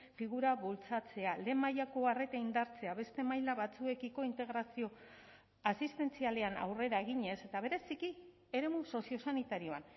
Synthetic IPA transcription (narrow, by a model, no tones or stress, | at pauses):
fiɣ̞uɾaβult͡sat͡se̞ale̞majako̞are̞t̪aind̪aɾt͡se̞aβe̞st̪e̞majlaβat͡sue̞kiko̞int̪e̞ɣɾasio̞ | asist̪e̞nt͡siale̞ana̰wre̞ɾaeɣ̞iɲe̞se̞t̪aβ̞e̞ɾe̞siki | e̞ɾe̞muso̞sio̞sanit̪aɾio̞an